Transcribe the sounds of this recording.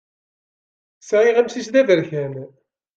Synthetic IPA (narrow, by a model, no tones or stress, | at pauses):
sʕiʁæmsisd̪ævəɾçæn